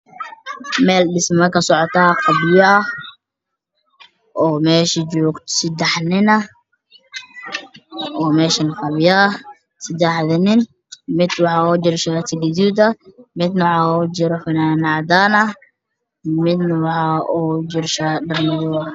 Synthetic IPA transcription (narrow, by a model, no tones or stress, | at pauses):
mɛːlɖɪsmɐkʰɐsɔʕɔt̪ʰaːqɑbɪjɐʔɐ | ʔɔːmɛːʃɐd͡ʒɔːɡt̪ʰsɪd̪ɛħnɪnɐ | ʔɔːmɛːʃɐnqɑβjɐ | sɐd̪ɛħðɐnɪn | mɪd̪wɑħɑɔːd͡ʒɪrʃat̪ʰɪɡɪd̪uːd̪ɐmɪd̪nɐʕɑɔd͡ʒɪɾħʊnaːnɑʕd̪aːnɐ | mɪd̪nɐwɑħɑːʔɔd͡ʒɪrʃaːɖɐrmɪðɔ